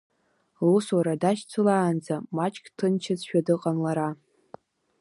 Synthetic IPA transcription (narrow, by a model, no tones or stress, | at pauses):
luswaɾadaʃt͡sʰɨlaːnd͡zamat͡ʃʼkʲʰʼtʰɨnt͡ʃʰɪzʃᶣadɨqʼanlaɾa